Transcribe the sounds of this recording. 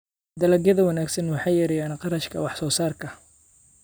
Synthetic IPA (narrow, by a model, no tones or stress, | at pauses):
d̪ɐlɐɡjɐðɐwɑnaːɡsɐnwɑħɑjɛɾɛjaːnqɑɾɐʃkʰɐ̰wɑħsɔːsaːrkʰɐ